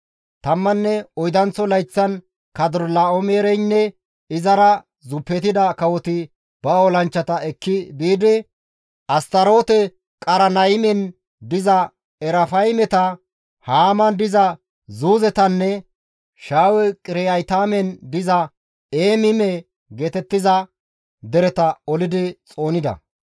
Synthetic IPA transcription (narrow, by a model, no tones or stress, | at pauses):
t̪ɐmːɐnːɛɔjd̪ɐnt͡sɔlɐjt͡sːɐn | kɐd̪ʊɾlaːɔmeːɾɛjnːɛ | ɪzɐɾɐ | zʊpːɛt̪ɪd̪ɐkɐwɔt̪ɪ | b̥ɐoːlɐnt͡ʃːɐt̪ɐɛkːɪbiːd̪ɪ | ʔɐst̪ɐɾo̞ːt̪ɛ | kʼɐɾɐnɐjmɛn | d̪ɪzɐ | ɛɾɐfɐjmɛt̪ɐ | haːmɐnd̪ɪzɐ | zuːzɛt̪ɐnːɛ | ʃaːwɛkʼɪɾɛjɐjt̪aːmɛnd̪ɪzɐ | eːmɪmɛ | ɡeːt̪ɛt̪ːɪzɐ | d̪ɛɾɛt̪ɐɔlɪd̪ɪt͡sʼo̞ːnɪd̪ɐ̰